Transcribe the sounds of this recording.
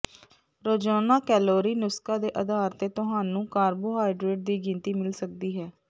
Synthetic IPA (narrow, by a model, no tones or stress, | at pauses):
ɾoːd͡ʒaːnaːkɛːloːɾiːnʊskaːd̪eːʔəd̪aːɾt̪eːt̪ʊɦaːnũːkaːɾboːɦaːɪɖɾeːʈ̚d̪iːɡɪ̃nt̪iːmɪlsək̚d̪iːɦɛː